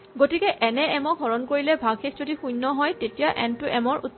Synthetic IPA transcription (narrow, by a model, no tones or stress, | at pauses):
ɡotikɛʔɛnɛɛmɔkɦɔɹɔnkoɹilɛbʱaxʰekʰzodixujnːɔɦɔjtetijaʔɛntʊʔɛmɔɹṵt̪̚